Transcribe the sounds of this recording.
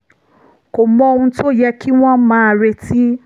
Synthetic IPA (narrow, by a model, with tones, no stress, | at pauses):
ko˨mɔ̃˧o˧ũ˧to˦˨jɛ˦kʰi˦w̃ɔ̃˦mãː˦˧ɾe˧ti˦